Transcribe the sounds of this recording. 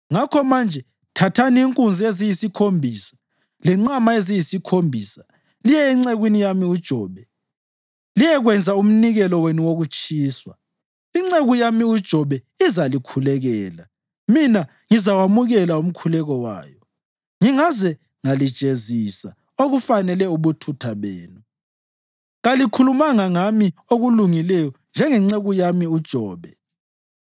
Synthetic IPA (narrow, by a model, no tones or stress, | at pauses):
ŋakʰɔmand͡ʒʱɛ | tʰatʰaniːŋkʼund͡zʱiezijisikʰombʱisḁ | lɛŋ͡ǀamaezijisikʰombʱiːsḁ | lijɛiŋ͡ǀeɣwinijamiud̥ʒ̥ʱɔːβɛ | lijɛɣwɛnd͡zʱaum̩niɣɛlɔwenuwoɣut͡ʃʼiːswa | iŋ͡ǀeɣujamiud̥ʒ̥ʱɔβɛizalikʰulɛɣɛːla | mina | ŋizawamuɣɛlaum̩kʰulɛɣɔwa̰ːjɔ | ŋiŋazɛ | ŋalid̥ʒ̥ʼʱezisa | oɣufanɛlɛuβutʰutʰaβeːnu | ɣalikʰulumaŋaŋamioɣuluŋilɛjɔnd͡ʒʱɛŋɛŋ͡ǀeɣujamiud̥ʒ̥ʱɔːβɛ